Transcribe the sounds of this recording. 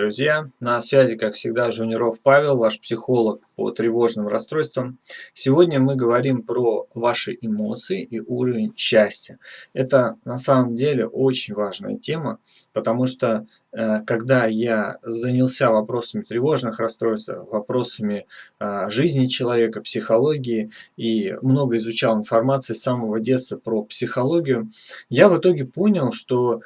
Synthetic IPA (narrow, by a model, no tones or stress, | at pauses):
d̪ɾʊzʲjanɐsvʲæzʲɪkakfsʲɪɡ̚d̪aʐʊnʲɪɾo̞fpavʲɪlˠvaʂpsʲɪxo̞lˠək̚pə̰t̪ɾʲɪvo̞ʐnɨmrɐst̪ɾo̞jʲst̪vəmsʲɪvo̞dʲnʲəmɨɡəvɐɾʲimpɾovaʂɨʔɪmo̞t̪sɨɪʔiʔuɾəvʲɪnʲɕːæsʲtʲəɛt̪ənɐsaməmdʲelʲɪ̰ʔo̞t͡ɕɪnʲvaʐnə̰jə̰tʲe̞mə | pət̪ɐmuʂt̪o | kɐɡd̪ajazənʲɪlˠsʲavɐpɾo̞səmʲɪt̪ɾʲɪvo̞ʐnɨxrɐst̪ɾo̞ɪst̪ə̰vɐpɾo̞səmʲɪ | ʐɨzʲnʲɪt͡ɕɪlˠɐvʲe̞kəpsʲɪxɐlˠo̞ɡʲɪːimno̞ɡəɪzʊt͡ɕalˠɪnfɐrmat̪sɨɪsːaməvədʲe̞t̪səpɾopsʲɪxɐlˠo̞ɡʲɪjʊjavɨt̪o̞ɡʲɪpo̞nʲɪlˠʂt̪o̞